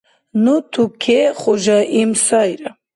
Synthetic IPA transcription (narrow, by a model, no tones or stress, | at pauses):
nut̪ʰukʰɛχɔʒaʔimsajɾa